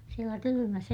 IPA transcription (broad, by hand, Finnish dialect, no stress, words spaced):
sielæ kylymæs